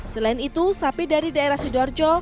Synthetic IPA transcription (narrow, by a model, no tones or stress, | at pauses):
səlaɪnit̪usapidaɾidaeɾahsidɔrd͡ʒɔ